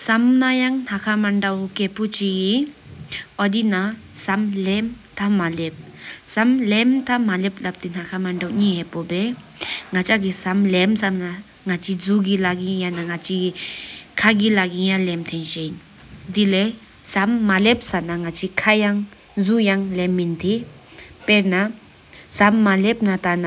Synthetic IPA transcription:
samnajaŋnhakʰamandawkepʰut͡ʃiɡi | ɔdinasamlem | t̪ʰamalep̚samlemtʰamalep̚lap̚tinʰakʰamandawɲiɦɛpɔbe | ŋat͡ʃaɡisamlemsamna | ŋat͡ɕʰid͡zuɡilaɡijanaŋat͡ʃʰi | kʰaɡilaɡijaŋlɛmt̪ʰenɕein | d̪ile | samːalep̚sanaŋat͡ɕʰikʰajaŋ | zujaŋlɛmːint̪ʰe | pɛɹna | samːalep̚nat̪ana

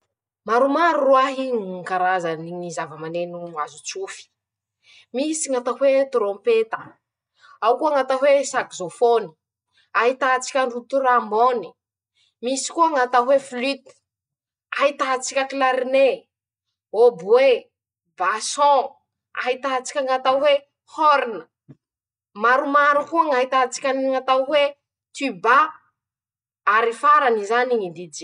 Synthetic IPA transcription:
maɾumaɾuruaɦinkaɾazaninizavəmanenuazut͡sufi̥ | misiŋat̪aɦwet̪rõpet̪ə̥ | awkuaŋat̪aɦwesakzofoni̥ | aɦit̪at͡si̥kʲaɳɖ͡ʐut̪uɾamboni̥ | misi̥kuaŋat̪aɦweflyt̪i̥ | ait̪aɦat͡sikʲəkilaɾine | obwe | basɔ̃ | a̰ɦit̪aɦat͡si̥kʲaŋat̪awe | hoɾinə | maɾumaɾukuaŋaɦit̪aat͡si̥kʲanŋat̪awe | t̪yba | aɾifaɾanizaniŋid̪id͡ʒi

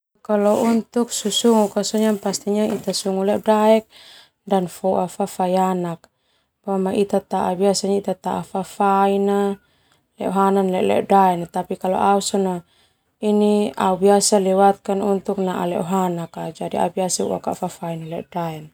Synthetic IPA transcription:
kalɔunt̪uk̚susuŋukasɔɲampast̪iɲait̪asuŋulɛʔɔdaɛk̚ | danfɔafafajanak̚ | pamaʔit̪at̪aʔabiasaɲait̪at̪aafafaina | lɛ̰ɔɦananlɛ̰ʔlɛ̰daɛnat̪apikalɔ̰ʔausɔna | inia̰ubiasalɛwat̪̚kanunt̪uk̚naʔa̰lɛʔɔɦanakad͡ʒadia̰biasaṵwa̰ka̰fafainalɛ̰ʔdaɛn

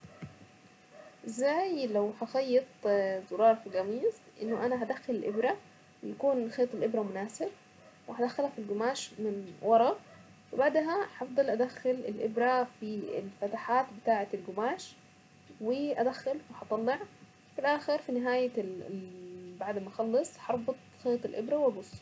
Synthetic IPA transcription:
ʔɪzːaːjlawħɑxɑjːɑt̪ˤzʊɾˤɑːɾˤfiɡæmiːz | ʔɪ̰nːʊʔanaɦad̪axːalɪlʔɪbɾa | wj̪akuːnxeːt̪ˤɪlʔɪbɾamʊnaːsɪb̚ | wɪhad̪axːalhafilɡʊmaːʃmɪnwɑɾˤɑ | wɪbaʕd̪ɦaħɑfd̪ˤɑlʔad̪axːʊlɪ̰lʔɪbɾafiɪ̰lfat̪aħaːt̪bɪt̪aːʕat̪ɪlɡʊmaːʃ | wɪʔad̪axːʊlwɪħɑt̪ˤɑlːeʕ | filʔaːxɪɾfinɪɦaːja | baʕd̪maxɑlːɨsˤħɑɾˤbɨt̪ˤxeːt̪ˤɪlʔɪ̰bɾawʔabʊsˤː

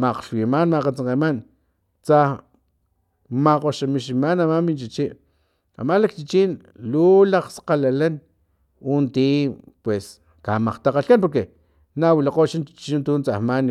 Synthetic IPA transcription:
maqʃwimanmaqat͡saŋqeman | t͡sah | maqoʃamiʃimanamamint͡ʃit͡ʃiʔ | a̰malak̚t͡ʃit͡ʃin | lulaqsqalalan | unt̪ipwes | kamaqt̪aqaɬkanp̬oɾke | nawilaqoːʃant͡ʃt͡ʃint̪unt͡sahman

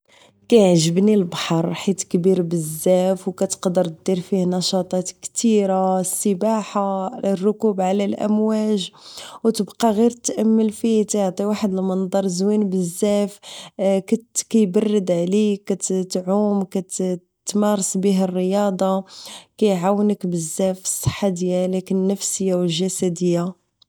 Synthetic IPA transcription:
kæjʕʒəbnilbɑħɑɾˤħit̪kbiɾbəzːæfwkæt̪ə̥qd̪əɾt̪̚d̪iɾfihnɑʃɑt̪ˤɑt̪kt̪iɾasːəbaħaərːʊkubʕlælʔæ̰mwæʒwt̪əbqɑɣiɾt̪ːʔæmːəlfit̪ʕt̪ˤiwaħəd̪lmɑnd̪ˤɑɾˤzwinbəzːæfkækæjbɑrˤːəd̪ʕlikːæt̪t̪ʕumkæt̪ | t̪ːmɑɾˤɑsˤbiɦərːəjɑd̪ˤɑkæjʕawːənəkbəzːæfə̥sˤːɑ̥ħːad̪əjːælækənːəfsəjːawəlʒæsæd̪əjːa

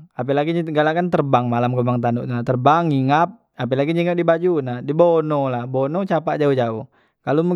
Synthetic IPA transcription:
ap̬ɛlaɡiɲɡalakant̪ərbaŋmalamkɔmaŋt̪anuʔat̪ərbaŋiŋap̚ | apɛlaɡiɲiŋap̚dibad͡ʒunadibonɔlahbonɔt͡ʃapaʔd͡ʒauhd͡ʒauh | kalumu

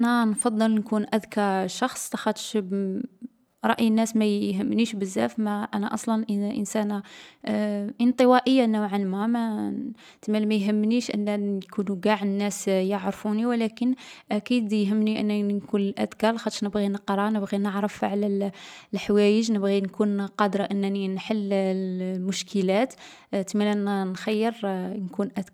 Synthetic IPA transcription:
ʔʔnænfɑd̪ˤːəlnkunʔæd̪kɑɾˤʃɑxsˤlɑxɑt̪ʃ | ɾˤɑ̰ʔjnːæsmæjɦəmːniʃbəzːæ̰fmæʔænæʔɑsˤlɑnʔʔə̰nsæn | ʔənt̪ˤəwæʔəjːanowʕanmæmæ | t̪əmælmæjɦəmːniʃʔə̰nːækunuɡaʕənːæsjəʕɾfuniwlækənʔækid̪jɦəmːniʔənːænkunlʔæ̰d̪kɑlxɑt̪ːˤəɾnəbɣinəqɾˤɑnəbɣinəʕɾˤəfʕlælħawæjəʒnəbɣinkunqɑd̪ɾˤɑʔənːæninħəlː | mʊʃkʰəlæt̪ | t̪əmːælnænxæjːəɾnkunʔæd̪

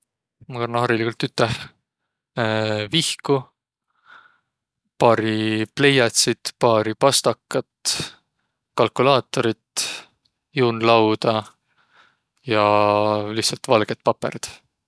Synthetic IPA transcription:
mɑkɑrnɑhɑɾilikult̪ːyt̪ˑːɑh | vihku | pɑːɾiple̞jɑt̪ʲsit̪pɑːɾipɑst̪ɑkːɑt̪ | kɑlkulɑːt̪ːˑo̞ɾit̪ | juːnlɑwd̪ɑ | jɑlihsɑlt̪vɑlɡ̥et̪̚pɑpḛɾit̪

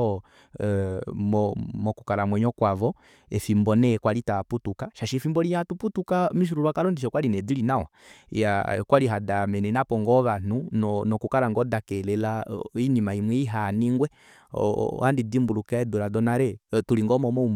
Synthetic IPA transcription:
mɔmɔkukaɾamwɛɲɔkwavɔ | ɛfimbɔnɛkwalitaputukaʃaʃifimbɔlijatuputukamiʃ̬uɾuɾwakaɾɔndiʃɔkwalinɛdilinawa̰ | ja̰kwaliɦadamɛnɛnapɔŋɡɔβan̥unɔnɔkukaɾaŋɡɔdakɛlɛlainimaimwɛiɦaniŋɡwɛ̰ | handidimbulukaɛduɾadɔnaɾɛtuliŋɡɔmɔmɔum

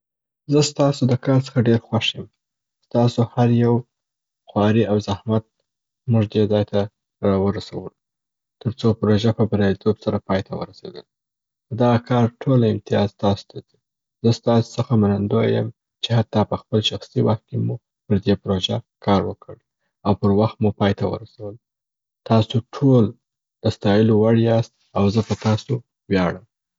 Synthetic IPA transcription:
zəst̪ɑsod̪əkɑɾt͡sə̥xaɖeɾxwaʃjəm | st̪ɑsohaɾjaw | xwɑɾiawzahmat̪̚ | muʐd̪ed̪ɑjt̪ʰa | ɾɑwəɾasa̰wəlu | t̪əɾt͡sopɾoʒapəbaɾɑlit̪ʰobsaɾapɑjt̪ʰawə̰ɾasḛd̪ə̰l | d̪aɣakʰɑɾʈʰolɪmt̪ɪjɑzt̪ɑso̥t̪ʰad̪i | zəst̪ɑso̥səxamanand̪ojə̰m | t͡ʃehat̪ːɑpəxpəlʃaxsiwaxt̪̚kemu | pəɾd̪epɾoʒakʰɑɾwəkʰəɽ | awpəɾwaxt̪mupɑjt̪awə̰ɾasawəl | t̪ɑsoʈʰol | d̪əst̪ɑjəlowaɽiɑst̪ | awzəpət̪ɑso | wjɑɽəm

